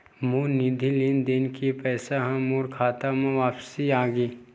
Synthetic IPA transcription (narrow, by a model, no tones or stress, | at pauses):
muːɾnid̪ʱilind̪enkipɛːsaɦãmuːɾkʰaːt̪amẽʋaːpsiaːɡiː